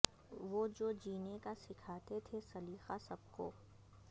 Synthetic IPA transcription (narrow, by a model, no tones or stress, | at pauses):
ʋoːd͡ʒoːd͡ʒiːnekasɪkʰaːt̪et̪ʰesɐliːxasɐb̚ko̰ː